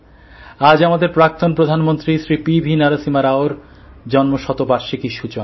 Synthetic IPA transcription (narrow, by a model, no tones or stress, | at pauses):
ad͡ʑamad̪eɾpɾak̚t̪onpɾod̪ʱanmont̪ɾiʃɾipibʱinaɾasimaɾaoɾ | d͡ʑɔnmoʃɔt̪obaɾʃekiʃut͡ɕon